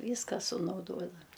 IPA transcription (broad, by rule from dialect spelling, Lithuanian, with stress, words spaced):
ˈʋʲiːskɐ sʊnɐʊˈdoːdɐm